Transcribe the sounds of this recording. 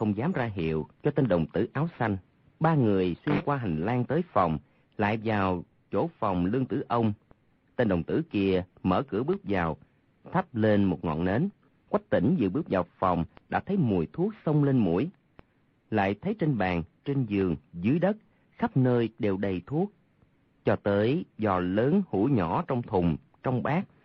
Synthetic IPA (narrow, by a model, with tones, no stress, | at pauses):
xə˧wŋ͡mzaː˨˦mzaː˧ɦḭ˧˨əwt͡ɕɔ˧t̪e˧nɗə˨˩wŋ͡mt̪ɨ̰˧˩ʔaː˨˦wsa˧jŋ̟ | ɓaː˧ŋɨ˨˩əjswi˧ənkwaː˧ɦa˨˩ŋ̟laː˧ŋt̪əː˨˦jfa˨˩wŋ͡m | la̰ː˧˨jvaː˨˩w | t͡ɕo˧˥fa˨˩wŋ͡mlɨ˧əŋt̪ɨ̰˧˩ʔə˧wŋ͡m | t̪e˧nɗə˨˩wŋ͡mt̪ɨ̰˧˩ki˧əmə̰ː˧˩kɨ̰˧˥əɓɨ˦˥ək̚zaː˨˩w | t̪ʰa˦˥p̚le˧nmo˨˩t̚ŋɔ̰˧˨nne˨˦n | kwa˦˥k̚t̪ḭ˧˩ŋ̟zɨ̰˧˨ɓɨ˦˥ək̚zaː˨˩wfa˨˩wŋ͡mɗa̰ː˧˥t̪ʰə˨˦jmu˨˩jt̪ʰu˦˥ək̚sə˧wŋ͡mle˧nmṵ˧˩˥əj | la̰ː˧˨jt̪ʰə˨˦jt͡ɕe˧nɓaː˨˩ŋt͡ɕe˧nzɨ˨˩əŋzɨ˨˦əjɗə˦˥t̚ | xa˦˥p̚nəː˧jɗe˨˩wɗə˨˩jt̪ʰu˦˥ək̚ | t͡ɕɔ˧t̪əː˨˦jzɔ˨˩ləː˨˦nhṵ˧˥˦ɲɔ˧˥t͡ɕɔ˧wŋ͡mt̪ʰʊ˨˩ŋ͡m | t͡ɕɔ˧wŋ͡mɓaː˦˥k̚